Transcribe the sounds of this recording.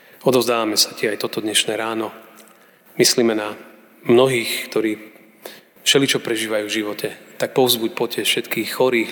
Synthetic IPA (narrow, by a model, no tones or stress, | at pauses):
ɔd̪ɔʊzd̪aːʋamɛsacɪɛajt̪ɔt̪ɔd̪ɲɛʃnɛːɾaːnɔ | misliːmɛna | mnɔɦiːxkt̪ɔɾiː | fʃɛlit͡ʃɔpɾɛʒiːʋajuːvʒiʋɔcɛt̪ak̚pɔʊzbucpɔcɪɛsfʃɛt̪kiːxxɔɾiːɣ